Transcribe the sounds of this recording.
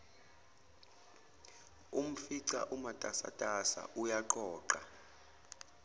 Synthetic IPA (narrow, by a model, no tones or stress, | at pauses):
um̩fiǀa̰ʔumatʼasa̰tʼasa̰ʔujaǃɔːǃa